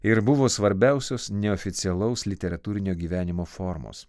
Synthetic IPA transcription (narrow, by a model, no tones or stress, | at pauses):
ɪɾbʊʋoːsʋɐɾʲbʲæˑʊsʲoːssnʲɛɔfʲɪt̪sʲɪɛlˠɐʊslʲɪt̪ʲɛɾɐt̪uːɾʲɪnʲoːɡʲiːʋʲæːnʲɪmoːfɔɾmo̰ːs